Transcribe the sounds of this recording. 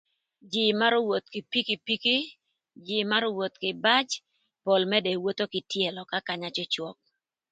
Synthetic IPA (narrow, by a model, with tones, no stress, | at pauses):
d͡ʒɪ˨ma˦ɾo˦wo˨t̪̚kɪ˨pi˦ki˨pi˦ki˦ | d͡ʒɪ˨ma˦ɾo˦wo˨t̪kɪ˨ba˦t͡ʃ | po˨lmɛ˦dɛ˨wo˦t̪o˦kɪ˨tje˨lɔ˨ka˦ka˨ɲa˦t͡ʃɔ˦t͡ʃwɔ˦k̚